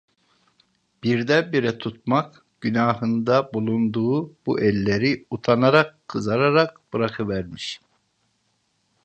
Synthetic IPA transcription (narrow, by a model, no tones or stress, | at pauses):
b̥iɾd̪ɛbiɾɛt̪ʰut̪̚mak | ɟ̥ynaːɦɯnd̪abulˠund̪uːbuʔɛlʲːeɾiut̪ʰanaɾakʰːɯzaɾaɾak̚b̥ɯɾakʰɯvæɾmiʃ